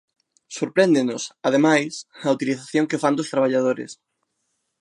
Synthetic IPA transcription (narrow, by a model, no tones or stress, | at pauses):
soɾpɾɛnd̪enʊsað̞emajsɐut̪iliθaθjoŋkefand̪ʊst̪ɾaβ̞aʎað̞oɾɪ̰s